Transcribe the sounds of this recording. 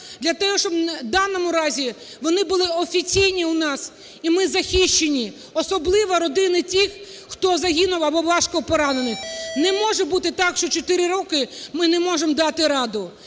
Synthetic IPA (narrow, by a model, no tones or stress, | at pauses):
d̪lʲɐt̪ɛɦɔʃt͡ʃɔbnɐd̪ɑnːɔmʊɾɑzʲi | ʋɔnɪbʊlˠɪɔfʲit͡sʲijnʲiunɑs | imɪzɐxʲiʃt͡ʃːenʲi | ɔsɔblˠɪʋɐɾɔd̪ɪjnɪtʲix | xt̪ɔzɐɦʲinʊwɐbɔʋɑʃkɔpɔɾɑnenɪxnɛmɔʒɛbut̪ɪt̪ɑkʃt͡ʃɔt͡ʃɔt̪ɪɾɪɾɔkɪmɪnɛmɔʒemd̪ɑt̪ɪɾɑd̪ʊ